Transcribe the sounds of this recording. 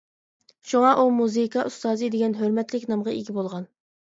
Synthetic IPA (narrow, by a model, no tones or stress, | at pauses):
ʃuŋɑʔumuzɨkʰɑʔust̪ɑːzɨd̪eɡʲɛnɦøɾmɛt̪lɪkʲnɑmʁɑʔeɡʲibolˠʁɑn